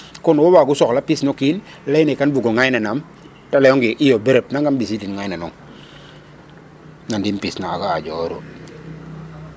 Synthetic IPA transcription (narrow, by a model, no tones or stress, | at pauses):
kɔnwowaɡusɔklapisnɔkin | lɛjnikanbuɡoŋajnanam | talɛɔŋɡiʔijobeɾep̚naŋɡambis̬idinŋajnanɔŋ | nandinpisnaakaad͡ʒɔɾo̰